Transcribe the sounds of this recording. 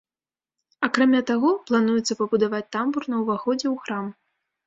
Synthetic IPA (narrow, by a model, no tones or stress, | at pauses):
akɾamʲat̪aɣɔplˠan̪ujɛt̪sːɐpɐbud̪avat͡sʲt̪amburnɐwvaxɔd͡zʲɛwxɾam